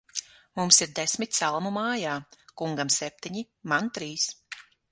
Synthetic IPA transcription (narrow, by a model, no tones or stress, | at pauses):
mumsiɾd̪esʲmʲit̪ʲsalˠmumaːjaːkuŋɡamsɛp̚ʲt̪ʲiɲi | mant̪ɾiːs